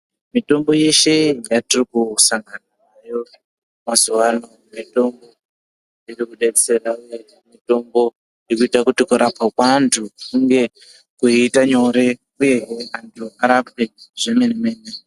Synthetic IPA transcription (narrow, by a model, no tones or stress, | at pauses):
mito̞mbo̞je̞ʃe̞jatirikusaŋɡananajo̞ | mazuwano | mito̞mbo | irikuɗeɗiserauje̞ | mito̞mbo̞ | jikuitakutikuɾapakwantʰukkuŋɡe̞ | kuitaɲo̞ɾe̞ | uje̞ɦantʰuaɾapweʐ̥e̞meneme̞ːne